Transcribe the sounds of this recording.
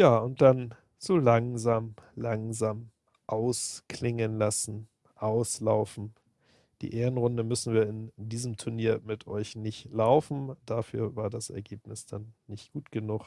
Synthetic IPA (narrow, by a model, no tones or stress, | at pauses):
jaːʊnt̚d̥an | z̥oːlaŋzaːmlaŋzaːm | ʔaʊskʰlɪŋənlasn̩ | ʔaʊslaʊfn̩ | d̥ḭːʔeːʁənʁʊndəmʏsn̩viːɐɪndiːzəmtʰʊɐniːɐmɪtʰʔɔ̰ʏçnɪçtlaʊfn̩d̥afy̰ːɐvaːɐdasʔɛ̰ɐɡeːpnɪsd̥anːɪçtɡ̥uːtɡ̥ənuk